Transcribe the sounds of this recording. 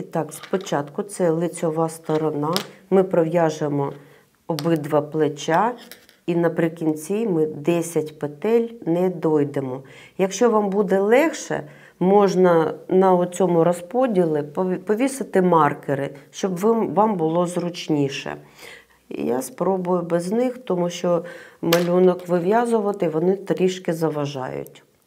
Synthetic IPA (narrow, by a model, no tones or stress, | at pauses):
it̪ɑkspɔt͡ʃɑt̪kʊt̪sɛlˠɪt͡sʲɔʋɑst̪ɔɾɔnɑmɪpɾɔʋjɑʒemɔ | ɔbɪd̪ʋɐplˠet͡ʃa | inɐpɾɪkʲinʲt͡sʲimɪd̪ɛsʲɐtʲpet̪ɛlʲnɛd̪ɔjd̪emɔjɐkʃt͡ʃɔʋɑmbud̪ɛlˠɛxʃɛ̰ | mɔʒnɐnɐʊt͡sʲɔmʊɾɔspɔdʲilˠɪppɔʋʲisɪt̪ɪmɑrkɪɾɪʃt͡ʃɔbʋmʋambʊlˠɔzrʊt͡ʃnʲiʃɛ̰ | ja̰spɾɔbʊjʊbɛznɪxt̪ɔmuʃt͡ʃɔmɐlʲunɔkʋɪʋʲjazʊʋɐt̪ɪʋɔnɪt̪ɾʲiʃkɪzɐʋɐʒɑ̰jʊ̰tʲ